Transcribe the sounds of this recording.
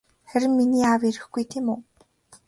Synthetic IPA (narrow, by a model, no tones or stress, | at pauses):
χæɾʲɪ̆mːiniːaweɾɘ̆xɡujt̪ʰeːmuː